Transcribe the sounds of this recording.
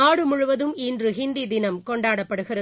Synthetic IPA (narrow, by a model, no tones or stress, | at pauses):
aːɽɯmʊɻʊʋɐðɯmɪndrɯɦɪnd̪id̪ɪnɐmkɔɳɖaːɽɐpːɐɽɯɣɪrɐ